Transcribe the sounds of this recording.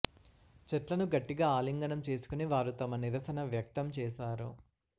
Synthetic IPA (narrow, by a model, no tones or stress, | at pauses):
t͡ʃɛʈlɐnuɡɐʈːiɡaːaːliŋɡɐnɐmt͡ʃe̞ːsu̥kuniʋaːɾut̪ɐmɐniɾɐsɐnɐʋjɐk̚t̪ɐmt͡ʃɛːʃaːɾṵ